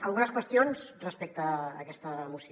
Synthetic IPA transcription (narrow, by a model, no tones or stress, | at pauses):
əlˠɣunəskwəst̪ionzrəspɛk̚t̪əːkɛst̪əːmusi